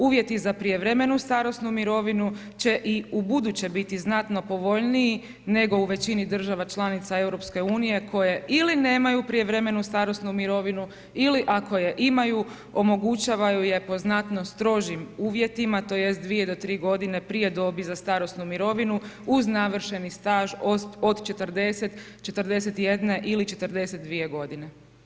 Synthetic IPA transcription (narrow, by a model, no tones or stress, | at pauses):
uːʋje̞t̪izapɾijeʋɾe̞me̞nust̪aɾo̞snumiɾo̞ʋinu | t͡ɕe̞ʔiubud̪ut͡ɕebit̪iznat̪no̞po̞ʋo̞ʎniji | ne̞ɡo̞uʋe̞t͡ɕinid̪r̩ʒaʋat͡ʃlˠanit̪sae̞wɾo̞pske̞uːnije̞kʰo̞je̞iline̞ːmajupɾije̞ʋɾe̞me̞nust̪aɾo̞snumiɾo̞ʋinu | iliʔako̞je̞ʔimaju | o̞mo̞ɡut͡ɕaːʋajuje̞po̞znat̪no̞st̪ɾo̞ʒimuːʋje̞t̪imat̪o̞ːje̞st̪̚d̪ʋije̞d̪o̞t̪ɾiːɡo̞d̪ine̞pɾije̞d̪o̞bizast̪aɾo̞snumiɾo̞ʋinuuznaʋr̩ʃe̞nist̪aːʒoo̞d̪t͡ʃe̞t̪əɾd̪e̞set̪t͡ʃe̞t̪ɾd̪e̞set̪je̞d̪ne̞ʔilit͡ʃe̞t̪ərɾd̪e̞set̪̚d̪ʋije̞ɡo̞d̪ine̞